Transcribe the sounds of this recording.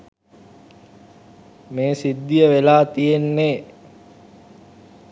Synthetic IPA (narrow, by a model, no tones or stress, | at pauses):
meːsid̪ːijəʋelaːt̪ijenːeː